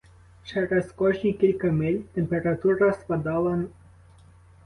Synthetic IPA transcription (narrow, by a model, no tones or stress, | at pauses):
t͡ʃɛɾɛskɔʒnʲikʲilʲkamɪlʲt̪empeɾat̪uɾaspad̪alˠan